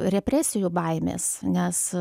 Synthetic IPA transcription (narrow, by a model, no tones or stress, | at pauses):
ɾʲɛpʲɾʲæsʲɪjubɐɪmʲḛːsnʲɛs